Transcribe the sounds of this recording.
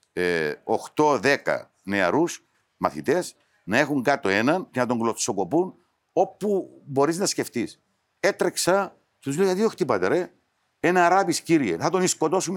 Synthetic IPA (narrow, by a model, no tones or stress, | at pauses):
eoxt̪o̞ðekɐ̰ | ne̞ɐ̰ɾus | mɐ̰θit̪e̞s | nɐe̞xuŋɡɐt̪oe̞nɐncenɐt̪o̞ŋɡlosoko̞pun | o̞pːubo̞ɾiznɐsceft̪is | e̞t̪ɾeksɐ | cet̪uzlejɐt̪ioxt̪ipɐt̪eɾe | enɐːɾɐpisciɾiḛθɐt̪o̞nisko̞t̪o̞sum